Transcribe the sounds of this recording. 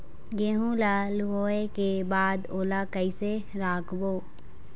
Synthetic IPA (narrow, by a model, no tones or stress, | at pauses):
ɡeːɦũlaluɦoːekebaːd̪oːlakəise | ɾaːkboː